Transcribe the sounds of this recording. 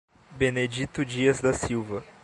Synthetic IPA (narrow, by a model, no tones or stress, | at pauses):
bened͡ʒit̪ʊd͡ʒiɐzd̪ɐsiwvɐ